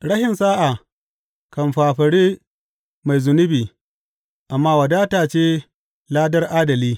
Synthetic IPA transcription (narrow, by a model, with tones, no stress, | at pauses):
ɽɐ˦hɪ˨nsaː˦ʔa˨ | kɐ˨mɸaː˨ɸɐ˨ɽiː˦ | ma˨jzʊ˨nʊ˦biː˨ | ʔa˨mːaː˦wɐ˨daː˦taː˨t͡ʃeː˦ | laː˦dɐ˦rʔaː˦dɐ˨liː˦